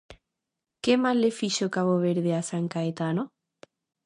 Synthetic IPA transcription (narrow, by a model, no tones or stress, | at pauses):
kemazlefiʃokaβoβeɾðeasaŋkaet̪ano